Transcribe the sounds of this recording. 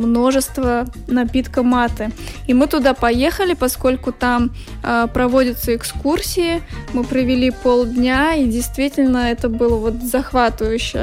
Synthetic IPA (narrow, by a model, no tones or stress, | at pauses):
mno̞ʐɨst̪və | nɐpʲit̪kəmat̪ɨimɨt̪ʊd̪apɐje̞xəlʲɪpɐsko̞lʲkʊt̪am | əpɾɐvodʲɪt̪səɪkskursʲɪɪmɨpɾəvʲɪlʲipolˠdʲnʲaidʲɪjst̪vʲitʲɪlʲnəɛt̪əbɨlˠəvo̞t̪zɐxvat̪ɨvəjʉɕːɪ